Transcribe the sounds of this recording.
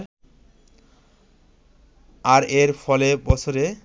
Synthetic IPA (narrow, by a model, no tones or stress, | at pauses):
aɾeɾfʰɔlebɔt͡ɕʰoɾe